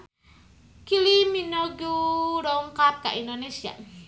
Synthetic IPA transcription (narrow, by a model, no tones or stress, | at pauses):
kiliminɔɡuɾɔŋkap̚ka̰ʔindonesia̰